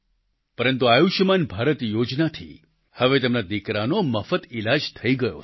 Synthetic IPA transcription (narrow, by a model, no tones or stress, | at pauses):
pəɾənt̪uajuʃəmanbʱaɾət̪jod͡ʒnat̪ʰḭ | həʋet̪emnad̪ikɾanoməfət̪ilad͡ʒt̪ʰəiɡəjo̰